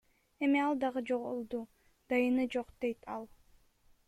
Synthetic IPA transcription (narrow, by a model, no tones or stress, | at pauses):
e̞miɑlˠd̪ɑʁɯd͡ʒo̞ʁolˠd̪u | d̪̥ɑjɯnɯd͡ʒo̞qd̪e̞jt̪ʰɑlˠ